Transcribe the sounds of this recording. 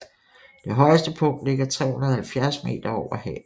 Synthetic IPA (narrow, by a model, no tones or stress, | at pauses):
d̥e̝ɦɒ̽ɪəsd̥əpʰɔ̽ŋ̰d̥le̝ɡ̥ɐt͡sʰʁɛ̰ːhunɐð̩ˠhælfjæɐsme̝̰ːd̥ɐɒʊ̰ɐhɛ̰ː